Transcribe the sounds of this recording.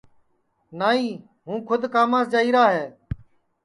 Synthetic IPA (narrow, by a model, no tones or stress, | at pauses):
naːiː | ɦũːkʰʊd̪kaːmãːsd͡ʒaːiːɾaːɦeː